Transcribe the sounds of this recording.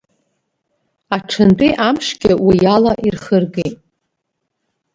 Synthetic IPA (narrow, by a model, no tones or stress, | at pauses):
aʈ͡ʂʰɨntʼiʔamʂɡʲɪwijalaʔirχərɡejtʼ